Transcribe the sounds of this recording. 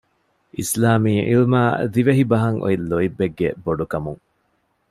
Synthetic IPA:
ʔislaːmiːʔḭlmaːd̪iʋeɦibɐɦɐŋʔo̰ilːoibːeɡːḛboɖukɐmuŋ

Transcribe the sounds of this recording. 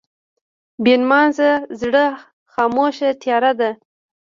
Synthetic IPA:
benmɑnzazɽə | xɑmoʃat̪jɑɾad̪a

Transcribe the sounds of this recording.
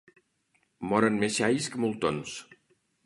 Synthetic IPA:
mɔɾənmeʃajskəmulˠt̪ons

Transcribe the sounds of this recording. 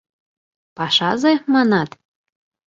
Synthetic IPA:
pɑʃɑzemɑnɑt̪

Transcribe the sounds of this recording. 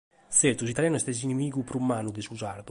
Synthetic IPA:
sɛɾt̪us̬it̪aljaːnɛst̪ɛs̬inimiːɡupɾumːaːnud̪esuzaɾd̪u

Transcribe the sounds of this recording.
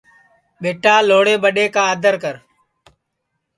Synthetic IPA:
ɓeːʈaːloːɽeːɓəɗeːkaːəd̪ʱəɾkəɾ

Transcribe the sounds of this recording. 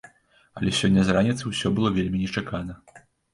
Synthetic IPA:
ɐlʲɛsʲɔnʲːɐzranʲit̪sɨwsʲɔbɨlˠɔvʲelʲmʲinʲɛt͡ʂakanɐ

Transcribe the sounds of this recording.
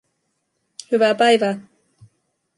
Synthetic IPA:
hyʋæpæjʋæː

